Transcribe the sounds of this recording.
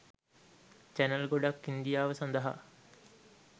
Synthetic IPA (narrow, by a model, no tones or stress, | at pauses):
t͡ʃænɐlɡoɖakːind̪ijaːʋəsand̪ɐɦa̰